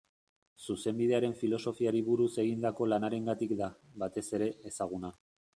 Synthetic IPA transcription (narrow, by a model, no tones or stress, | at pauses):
suse̞mbiðe̞aɾe̞ɱfilo̞so̞fiaɾiβuɾuse̞ɣind̪ako̞lanaɾe̞ŋɡat̪ikd̪aβat̪e̞se̞ɾe̞ːsaɣ̞una